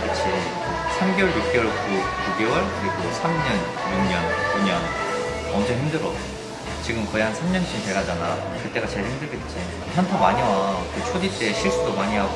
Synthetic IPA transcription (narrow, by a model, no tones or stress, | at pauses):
kɯt͡ɕʰi | sʰamɡewʌɭjuk̚k͈ewʌɭkukuɡewʌɭkɯɾiɡosʰamɲʌn | juŋ̚ɲʌnkuɲʌn | ʌnd͡ʑʌɦimdɯɾʌ | t͡ɕiɡɯmkʌjansʰamɲʌnɕʰint͡ɕeɡad͡ʑana̰ | kɯt͈e̞ɡat͡ɕe̞ɭhimdɯɭɡet̚t͡ɕ͈ʰi | pʰjʌntʰamaɲiʌkɯt͡ɕʰodit͈eːɕʰiɭs͈udomaɲiɦaɡ